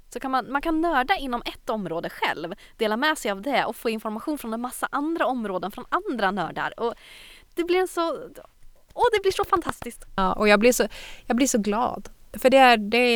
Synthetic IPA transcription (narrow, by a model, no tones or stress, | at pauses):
sɔkʰanmanmankʰanːœːɖaɪn̪ːɔmɛt̪ːɔmɾoːd̪əɧɛ̰lv | d̪̥eːlamɛsɛjavd̪ɛɔfoːɪnfɔɾmaɧuːnfɾɔnɛnmasːa̰ʔand̪ɾaɔmːɾoːd̪ənfɾɔnand̪ɾanœ̰ːɖa̰ɾɔ | d̪̥ɛblɪɾɛnsɔ | ɔd̪ɛblɪʂɔfant̪ʰast̪ɪsk̚t̪ɑːʔɔjɑːɡblɪʂɔjɑːɡblɪʂɔɡlɑ̰ːd̪ | fœɖɛæɾɖɛ